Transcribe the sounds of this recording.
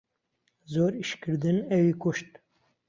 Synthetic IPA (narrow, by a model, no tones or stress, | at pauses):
zoːɾiʃkɨɾd̪ɨnɛwiːkʊʃt̪̚